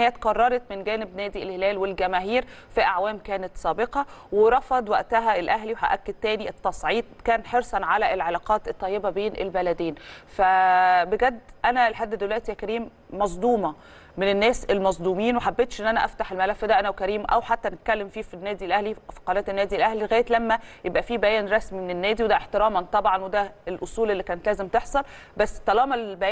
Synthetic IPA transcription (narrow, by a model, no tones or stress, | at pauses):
jːæt̪qɑrˤːɑɾˤɑt̪menɡæːnebnæːd̪ielhelæːlwelɡæmæːɦiːɾ | fiʔaʕwæːmkæːnet̪sæːbeqɑweɾˤɑfɑd̪ˤwæʔt̪æɦæelʔæɦliweɦæ̰ʔækːed̪̚t̪æːniet̪ːɑsˤʕiːd̪̚kæːnħeɾsˤɑnʕalæʔelʕelɑːqɑːt̪et̪ˤːɑjːebæbeːnʔḛlbælæd̪eːnfæbeɡæd̪ːʔænælħad̪ːed̪owlæʔt̪ijækæɾiːmː | ɑzˤd̪ˤuːmɑ | menenːæːselmɑzˤd̪ˤuːmiːnweħabːeːt̪ʃʔenːʔænæʔæft̪aħelmælæfːd̪æʔænæwkæɾiːmʔæwħat̪ːænet̪̚kælːemfiːfinːæːd̪ilʔæhlifi̥qɑɾɑːt̪enːæːd̪ilʔæhliɣæːjet̪læmːæjebʔæfiːbæjæːnɾˤɑsmimenenːæːd̪iwed̪æʔeħt̪eɾɑːmɑnt̪ˤɑbʕɑnwed̪æelʔosˤuːlʔelːiːkæːnet̪læːzemt̪eħsˤɑl | bæsːt̪ːælɑːmɑbæj